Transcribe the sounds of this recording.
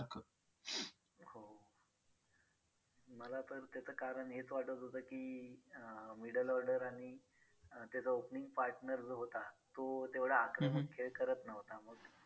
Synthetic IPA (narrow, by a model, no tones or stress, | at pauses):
akə | ho | məlat̪əɾt̪jat͡səːkaɾəɳɦet͡sʋaʈət̪ɦot̪əːkiː | miɽəlɔɾɖəɾaɽ̃i | t̪jat͡saopniŋɡpaɾʈnəɾd͡zəɦot̪at̪ot̪eʋɭəakɾəmənkʰeɭkəɾət̪nəʋt̪aməɡ